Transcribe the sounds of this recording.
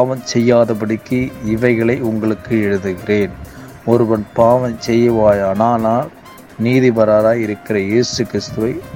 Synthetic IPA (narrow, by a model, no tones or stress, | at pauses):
ʋɐnsɛjːaːðɐp̬ɐɽɪkːɯɪʋɐɪɣɐɭɐɪʊŋɡɐɭɯkːɯɛɻɯðɯɣɪreːn | ɔɾɯʋɐnpaːʋɐnt͡ʃɛjːɐʋaːjanaːnaː | niːðiʋɐɾaːɾaːjɪɾɯkːɪrɐjeːsɯkɪɾɪst̪ɯʋɐɪ